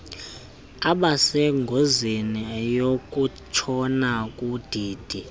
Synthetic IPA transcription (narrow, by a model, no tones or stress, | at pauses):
aɓasɛŋɡʱozinijok̬ʼu | t͡ʃʰɔnakʼud̥ʱiːd̥ʱi